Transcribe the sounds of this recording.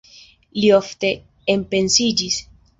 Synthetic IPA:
liofte̞ | empe̞nsid͡ʒis

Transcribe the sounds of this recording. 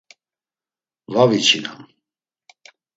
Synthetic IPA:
vavit͡ʃʰina̰n

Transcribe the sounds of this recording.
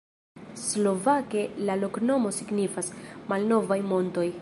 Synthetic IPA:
slo̞vake̞lalo̞kno̞mo̞siɡnifasmalno̞vajmo̞nto̞j

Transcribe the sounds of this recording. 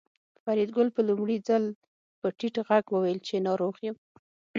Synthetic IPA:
faɾid̪̚ɡʊlpəlumɽid͡zal | pəʈiʈɣaɡwəwajəlt͡ʃenɑɾoɣjim

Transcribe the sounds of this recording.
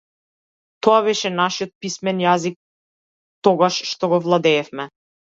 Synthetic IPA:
t̪ɔaβɛʃɛnaʃijɔt̪̚pismɛnjazik̚ | t̪ɔɡaʃʃt̪ɔɡɔvlˠad̪ɛːfmɛ

